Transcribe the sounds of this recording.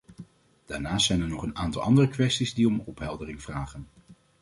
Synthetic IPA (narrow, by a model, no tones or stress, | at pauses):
d̥aːɹnaːstsɛjnɛɹnɔχənaːntɑlˠɑ̰ndərəkʋɛstizdiɔmɔpɦɛlˠdərɪŋv̥raːχən